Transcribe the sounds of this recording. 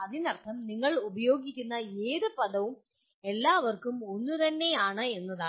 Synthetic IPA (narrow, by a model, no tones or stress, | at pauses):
ɐðinɐrt̪ʰːɐmniŋːɐɭubɐjo̞ːɡikʲːunːɐeːðɨpɐðɐʋum | e̞lːaːʋɐrkumo̞nːut̪ɐnːe̞jaːɳɨe̞nːɐðaː